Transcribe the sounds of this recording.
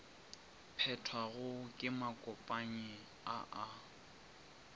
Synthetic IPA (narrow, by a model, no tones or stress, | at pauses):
pʰɛtʰwaɣʊkʼɪmakʼɔpʼaɲɪ | a̰ʔa